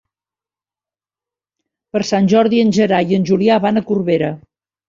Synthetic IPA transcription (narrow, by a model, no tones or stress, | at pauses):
pəɾsanʲʒɔɾðiənʲʒəɾajənʲʒuliaβanəkurβeɾə